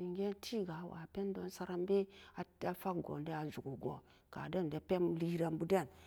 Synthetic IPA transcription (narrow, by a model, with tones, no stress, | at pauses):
i˨ŋɡe˦ntʰi˦ɡa˨wa̰˨pe˦n˦do˦nsa˦ɾa˦mbe˦a˨˦a˦fa˦kɡo̰˨nde˦a˨zu˨ɡu˨ɡo˨ | ka̰˨da˦n˨de˨pe˦mli˦ɾa˦mbu˦de˦˨n